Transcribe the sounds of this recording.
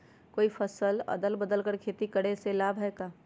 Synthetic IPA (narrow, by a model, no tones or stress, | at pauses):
koːifɐsəlɐ̰d̪əlbəd̪əlkəɾkʰeːt̪ikɐɽ̤eselaːbʱɦɛkaː